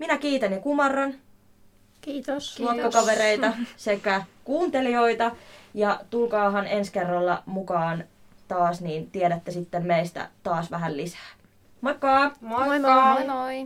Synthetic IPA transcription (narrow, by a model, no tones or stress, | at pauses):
minækiːt̪ænjɑkumɑrːɑn | uokːɑkɑʋeɾeit̪ɑsekːækuːnt̪elio̞it̪ɑjɑt̪ulkɑːɦɑnenskerːɑlːɑ̰mukɑːn | t̪ɑːsniːnt̪ieɾæt̪ːesit̪ːemmeist̪æ̰t̪ɑːsʋæɦællisæ̥ː | mɑkːɑːɑ